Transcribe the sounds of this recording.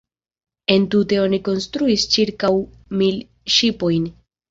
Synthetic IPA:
e̞ntute̞o̞niko̞nstɾuist͡ʃiɾkaw | mil | ʃipo̞jn

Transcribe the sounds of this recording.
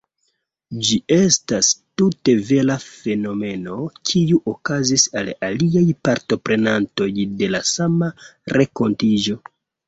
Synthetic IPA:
d͡ʒie̞stastute̞ve̞lafe̞no̞me̞no̞kʰiuʔokazisalaliajpaɾto̞pɾe̞nanto̞jde̞lasamaɾʔe̞ko̞ntid͡ʒo̞

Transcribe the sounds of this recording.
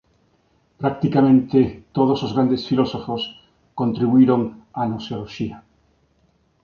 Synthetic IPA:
pɾakt̪ikamẽnt̪et̪oð̞osozɣɾand̪esfilosofos | kõnt̪ɾiβuiɾoŋanoseoloʃia

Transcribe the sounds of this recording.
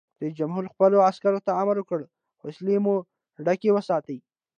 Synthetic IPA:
d̪̥əd͡ʒamɦuɾxpəloaskaɾot̪aamaɾwəkəɽ | xɪslemu | ɖakewəsɑt̪əj

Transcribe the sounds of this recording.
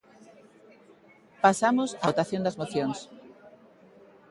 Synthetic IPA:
pasamosaot̪aθjond̪ɐzmoθjoŋs

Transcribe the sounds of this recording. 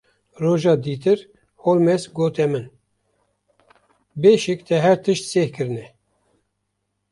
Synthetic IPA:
roːʒɑːd̪iːt̪ɨɾ | holmɛsɡoːt̪ɛmɨn | beːʃɨkt̪ʰɛɦɛɾt̪ʰɨʃt̪seːhkɨɾɨnɛ

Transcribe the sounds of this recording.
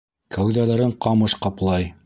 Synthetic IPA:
kʰæwðælæɾɘɴqɑmɤʃqɑplˠɑj

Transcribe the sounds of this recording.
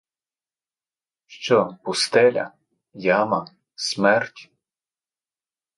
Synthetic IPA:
ʃt͡ʃɔpʊst̪ɛlʲɐ̰ | jamɐ | smɛrtʲ

